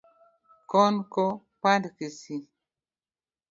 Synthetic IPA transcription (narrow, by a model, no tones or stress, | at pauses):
konko | pandkisi